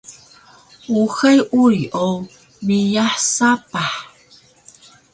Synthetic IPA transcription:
uxəjʔujʔo | mijaħsapaħ

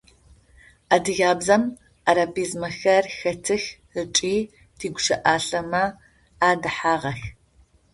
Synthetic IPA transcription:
adɨɣaːbzɐm | aɾabiːzmɐxɐrxɐtʰɨx | ət͡ʃʼiː | tʰiːɡʷʊʃɐʔaːɬɐmɐ | aːdɨħaːʁɐx

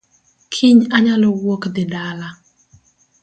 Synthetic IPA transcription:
kʰɪɲaɲalɔwokd̪ɪdala

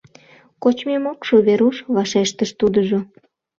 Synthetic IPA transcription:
kot͡ɕmemokʃoβeɾuʃβɑʃeʃt̪əʃt̪ud̪əʒo

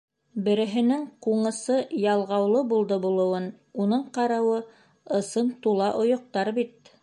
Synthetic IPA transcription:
bɘ̆ɾɘ̆ɦɘ̆nɘŋquɴɤ̆sɤjɑlˠʁɑwlˠɤbulˠd̪ɤbulˠɤ̆wɤn | unɤɴqɑɾɑwɤ | ɤ̆sɤnt̪ulˠɑʔŏjŏq̚t̪ɑɾbit̪̚

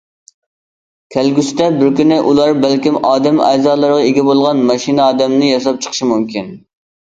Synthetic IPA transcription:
kʲʰɛlɡʲyst̪ɛbɪɾkʲynɪʔulˠɑɾbælkʲimɑːd̪ɛmɛ̰zɑːlˠəɾʁɑeɡʲɛbolˠʁɑnmɑʃinɨɑːd̪ɛmnɪjɑʃɑp̚t͡ʃʰə̥qʰəʃimumkʲin

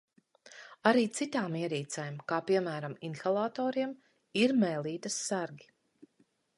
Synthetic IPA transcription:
aɾiːt̪sit̪aːmiɛɾiːt̪sajmkaːpiɛmæːɾaminxalˠaːt̪ɔːɾiɛm | iɾmɛjlˠiːt̪ɐsːaɾɡʲi̥

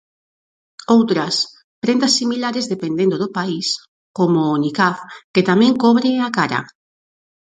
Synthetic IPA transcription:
owt̪ɾɐs | pɾent̪asːimilaɾezðepend̪end̪oðʊpais | komʊːnikafket̪amẽŋkɔβɾeakaɾa̰

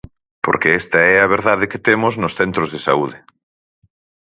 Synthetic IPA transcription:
po̰ɾkeest̪ɐɛɐβ̞eɾðaðeket̪emoznosθent̪ɾozðesa̰uð̞ɪ

